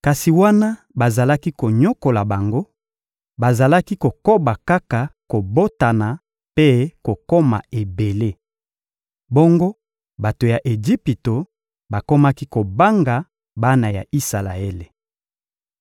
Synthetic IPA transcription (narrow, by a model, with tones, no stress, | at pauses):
ka˨si˨wa˦na˦ | ba˨za˨la˦ki˦ko˨ɲo˦ko˨la˨ba˨ŋɡo˦ | ba˨za˨la˦ki˦ko˨ko˦ba˨ka˦ka˨ko˨bo˦ta˨na˨ | pe˦ko˨ko˦ma̰˨e˨be˨le˦ | bo˦ŋɡo˦ | ba˨to˨ja˨ʔe˨d͡ʒi˦pi˨to˨ | ba˨ko˦ma˦ki˦ko˨ba˦ŋɡa˨ | ba˦na˨ja̰˨ʔi˦sa˨la˨e˦le˨